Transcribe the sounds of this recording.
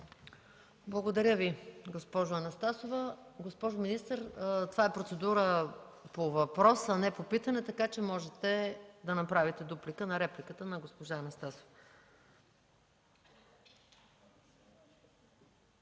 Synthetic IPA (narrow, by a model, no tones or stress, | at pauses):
blˠɐɡod̪ɐɾʲəviɡospɔʒʊɐnɐst̪asovəɡospɔʒominist̪əɾt̪ovaɛpɾot̪sɛd̪uɾəpovɐpɾɔsɐnɛpopit̪ɐnɛt̪ɐkat͡ʃɛmɔʒɛt̪ɛd̪ɐnɐpɾavit̪ɛd̪uplikənɐɾɛplikət̪ənɐɡospoʒaɐnɐst̪aso̥f